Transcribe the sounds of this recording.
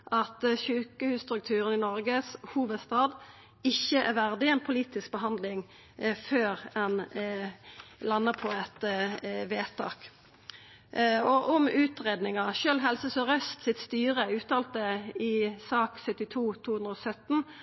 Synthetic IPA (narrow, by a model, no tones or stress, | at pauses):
ʔɑt̪ʃʉːkəhʉːsst̪ʁʉk̚t̪ʰʉːʁənɪnɔʁɡəshuːʋəd̪st̪ɑːd̪ | ɪçːəʔæ̰ʁʋæʁd̪ɪɛnpʰʊliːt̪ɪsk̚bəɦɑnd̪lɪŋ | føːʁɛn | lɑnːəʁpʰɔɛt̪ʋeːt̪ʰɑ̰ːk | ɔʔɔmʉːt̪ʁeːd̪nɪŋɑʃøːlɦɛlsəsɔʁœst̪sɪt̪st̪yːʁəʉːt̪ɑːlt̪̚d̪əɪsɑːksœt̪ːɪt̪ʰuːt̪ʰuːhʉnʁɔsœt̪ːn̩